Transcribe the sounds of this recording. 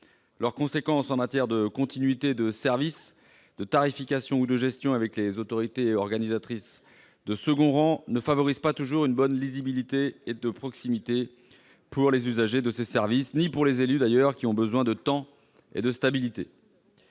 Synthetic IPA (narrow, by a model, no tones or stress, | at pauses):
lœʁkɔ̃sekɑ̃sɑ̃mat̪jɛʁd̪əkɔ̃t̪inɥit̪ed̪əsɛʁvis | d̪ət̪aʁifikʲasjɔ̃ud̪əʒɛst̪jɔ̃avɛklezot̪ɔʁit̪eɔʁɡanizat̪χis | d̪əsəɡɔ̃ʁɑ̃nəfavɔʁizpat̪uʒuʁynbɔnlizibilit̪eːd̪əpχɔksimit̪e | puʁlezyzaʒed̪əsesɛʁvisnipuʁlezelyd̪ajœʁkʲiɔ̃bəzwɛ̃d̪ət̪ɑ̃ | ḛd̪əst̪abilit̪e